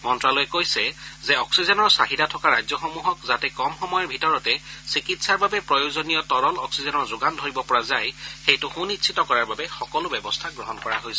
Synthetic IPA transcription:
mɔntɹalɔjɛkojsɛzɛɔksizɔnɔɹsaɦidatʰɔkaɹajd͡ʑzjɔxomuɦɔkzatɛkɔmxɔmɔjɔɹbʱitɔɹɔtɛsikitsaɹbabɛpɹɔjozonijɔtɔɹɔlɔksizɔnɔɹzʊɡandʱoɹibɔpɔɹazajxejtʊxũnitsʰitɔkɔɹaɹbabɛxɔkɔlʊbɛbɔstʰaɡɹɔɦɔnkɔɹa̰ɦojsɛ

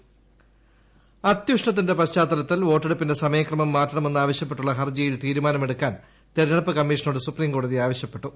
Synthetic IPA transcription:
ɐt̪juʂɳɐt̪̬ːinde̞pɐɕt͡ɕaːt̪ːɐlɐt̪ːilʋo̞ːʈːeɽupːinde̞sɐmɐjɐkrɐmɐmːaːʈːɐɳɐme̞nːuaːʋɐɕjɐpːe̞ʈːuɭːɐɦɐrd͡ʑɐjilt̪iːɾumaːnɐmeɽukːaːn | t̪eɾnɐɭɐpːɐkɐmːiːʂɐnoːɽɨsupriːmko̞ːɽuðiaːʋɐɕjɐpːe̞ʈːu

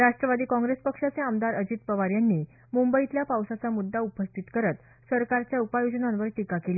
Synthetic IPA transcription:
ɾaʂʈɾəʋad̪iːkɔ̃ŋɡɾespəkʂat͡seamd̪aɾəd͡ʑit̪̚pəʋaɾjanːi | mumbəit̪ljapawsat͡samud̪ːaupəst̪ʰit̪kəɾət̪ | səɾkaɾt͡ɕjaupajod͡ʑənãnʋəɾʈikakeli

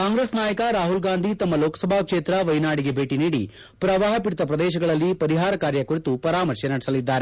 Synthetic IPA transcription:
kaːŋɡɾesnaːjɐkɐɾaːɦulɡaːnd̪ʱit̪ɐmːɐloːkɐ̥sɐbʱaːkʂeːt̪ɾɐʋɐjnaːɽiɡe̞bʱeːʈiniːɽḭ | pɾɐʋaːɦɐpiɽt̪ɐpɾɐd̪ɛːʃɐɡɐɭɐlːipɐɾiɦaːɾɐkaːɾjɐkuɾit̪upɐɾaːmɐɾʃjɐnɐɽisɐlid̪ːaːɾe

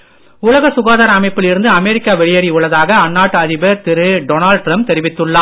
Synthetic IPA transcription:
ʊɭɐɣɐsʊɣaːðaːɾɐːmɐɪpːɪlɪɾɯnd̪ɯɐmɛɾɪkːaːʋɛɭɪjɐɽiʊɭːɐðaːɣɐːnːaːʈːɐðɪbɐɾt̪ɪɾɯɖɔːnaːɭɖ̚ʈɾɐmp̚t̪ɛɾɪʋɪt̪ːɯɭːaː

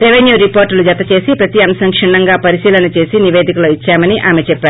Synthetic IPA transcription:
ɾeʋenjuːɾipoːɾʈlud͡ʒɐt̪ːɐt͡ʃe̞ːsipɾɐt̪iɐmsɐŋkʂiɳːɐŋɡaːpɐɾisiːlɐnɐt͡ʃe̞ːsiniʋe̞ːd̪ikuloːit͡ʃːaːmɐniʔaːmet͡ʃɛpːaːɾu

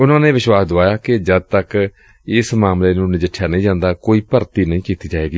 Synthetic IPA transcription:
ʊnãːnẽːʋɪʃwaːsd̪oaːjaːkɪd͡ʒəd̪̚t̪ək | ɪsmaːmleːnũːnɪd͡ʒɪʈʰːjaːnəĩːd͡ʒãːnd̪aːkoːiːpəɾt̪iːnĩːkiːt̪iːd͡ʒaːeːɡiː

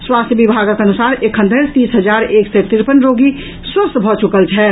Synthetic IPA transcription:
swast̪ʰjəbibʱaɡəkeənusaːɾekʰɦənd̪ʱəɾt̪iːsɦəd͡ʒaːɾeksɛt̪ɾiɾpənɾoɡi | swəst̪bʱɔt͡ʃukəlt͡ʃʰɛ

